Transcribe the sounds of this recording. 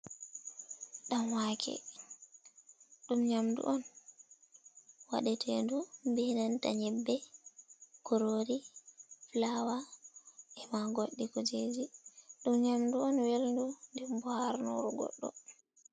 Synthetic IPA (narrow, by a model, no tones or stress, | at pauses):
ɗamwaːkʰɛ̰ | ɗumɲamdṵʔɔn | wa̰ɗɛtʰɛndumbɛnanta̰ɲɛbːɛ | kɔɾoɾiflawa | ʔɛmaɡoɗːikɔd͡ʒed͡ʒiɗumɲamduɔnwelndundɛmbɔhaɾno̰ɾuɡɔ̰ɗːɔ̰